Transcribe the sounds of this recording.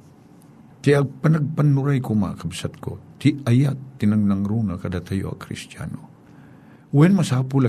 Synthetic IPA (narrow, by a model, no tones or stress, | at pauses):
t̪ɪʔɐɡpɐnɐɡ̚pɐnːʊɾajkoma̰kɐbsat̪̚ko̰t̪ɪɐjatt̪ːɪnɐŋnɐŋɾuːnɐkɐd̪at̪ɐjoɐ̰kɾɪ̰st̪ja̰no | wɛnmɐsaːpʊlɐ